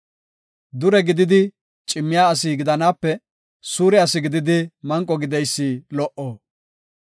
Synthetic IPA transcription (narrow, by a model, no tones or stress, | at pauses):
d̪ʊɾɛɡɪd̪ɪd̪ɪ | t͡ʃʼɪmːɪjaːɐs̬iːɡɪd̪ɐnaːpːɛ | suːɾɛɐsɪɡɪd̪ɪd̪ɪmɐŋkʼːɔɡɪd̪ɛjsːiːlɔʔoː